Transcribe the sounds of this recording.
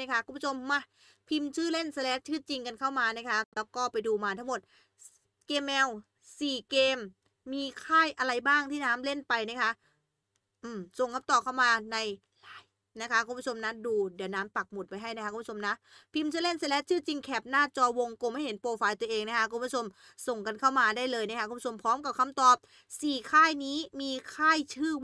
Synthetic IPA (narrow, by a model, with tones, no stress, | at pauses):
a˦˥˩kʰa˦˥kʰu˧˦pʰːu˥˩o˧mːa˧˩ | pʰi˧mt͡ɕʰɯː˥˩le˥˩nsa˧lɛː˦˥t̪̚t͡ɕʰɯː˥˩t͡ɕi˧ŋka˧nkʰa˥˩wmaː˧na˦˥kʰa˦˥lɛː˦˥wkɔː˥˩pa˧jduː˧maː˧t̪ʰa˦˥˩mo˨˩t̪̚ | keː˧mːɛː˧w | siː˨˩keː˧mː | iː˧kʰaː˥˩jʔa˧ɾa˧jbaː˥˩ŋt̪ʰiː˥˩naː˦˥mle˥˩npa˧jna˦˥˩kʰa˦˥ʔ | ʔɯː˨˧˩mso˨˩ŋkʰa˧˥mt̪ɔː˨˩kʰa˥˩wmaː˧na˧j | laː˨˦j | na˦˥kʰa˦˥kʰu˧˦mpʰu˥˩o˧mna˦˥duː˧di˩˦naː˦˥mpa˨˩k̚mo˨˩t̪̚pa˧jɦa˥˩jna˦˥kʰa˦˥ku˧˦u˥˩o˧mna˦˥ʔpʰi˧mt͡ɕʰa˧˥˨le˥˩nsa˧˩lɛ˦˥t̪̚t͡ɕʰɯː˥˩t͡ɕi˧ŋkʰɛː˨˩p̚naː˥˩t͡ɕɔː˧wo˧ŋko˧ma˥˩jhe˩˦npoː˧faː˧jt̪u˧ɐʔeː˧ŋna˦˥kʰa˦˥kʰu˧˦pːʰt͡ɕʰo˧m | so˨˩ŋka˧nkʰa˥˩wmaː˧daː˥˩jlɤː˧jna˦˥kʰku˧˦pʰu˥t͡ɕo˧mpʰɔː˦˥mka˨˩p̚kʰa˧mt̪ɔː˨˩p̚ | siː˨˩kʰaː˥˩jniː˦˥miː˧kʰaː˥˩jt͡ɕʰɯː˥˩